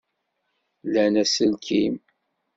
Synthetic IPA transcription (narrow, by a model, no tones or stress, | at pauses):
lænæsəlkʰim